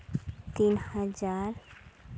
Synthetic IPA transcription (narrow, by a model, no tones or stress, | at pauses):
t̪iːnhəd͡ʒaːɾ